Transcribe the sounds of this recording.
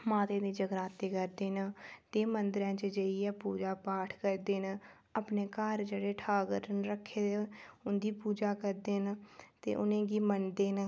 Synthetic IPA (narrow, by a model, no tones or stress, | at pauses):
maːt̪ẽːd̪iːd͡ʒəɡɾaːt̪eːkəɾd̪eːnət̪eːmənd̪ɾjãːt͡ʃəd͡ʒəiɛːpuːd͡ʒaːpaːʈʰkəɾd̪eːnə | əpneːkəɾd͡ʒeːɽeːʈʰaːɡəɾnɾəkʰːeːd̪eʊnd̪iːpuːd͡ʒaːkəɾd̪eːnt̪ḛːʔʊnẽːɡiːmənd̪eːnə